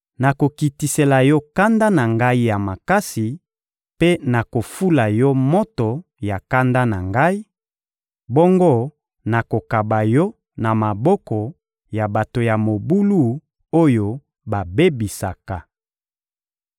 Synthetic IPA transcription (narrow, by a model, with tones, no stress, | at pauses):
na˨ko˨ki˨ti˨se˨la˨jɔ˦ka˦nda˦na˨ŋɡa˦i˦ja˨ma˨ka˦si˨ | pe˦na˨ko˨fu˦la˨jɔ˦mo˦tɔ˨ | ja˨ka˦nda˦na˨ŋɡa˦i˦ | bɔ˦ŋɡo˦ | na˨ko˨ka˨ba˨jɔ˦ | na˨ma˨bɔ˦kɔ˨ | ja˨ba˨to˨ja˨mo˨bu˦lu˦˨ | o˦jo˨ | ba˨be˦bi˨sa˨ka˨